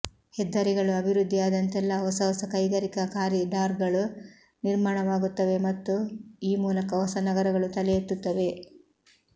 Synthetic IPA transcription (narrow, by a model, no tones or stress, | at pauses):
hɛd̪ːɐɾiɡɐɭuɐbʱiɾud̪ʱːijaːd̪ɐnt̪ɛlːɐɦɔsɐɦɔsɐkɐjɡɐɾikɐkaːɾjɐɖaːɾɡɐɭu | niɾmaːɳɐʋaːɡut̪ːɐʋe̞mɐt̪ːuiːmuːlɐkɐɦɔsɐnɐɡɐɾɐɡɐɭut̪ɐlɛjet̪ːut̪ːɐʋe̞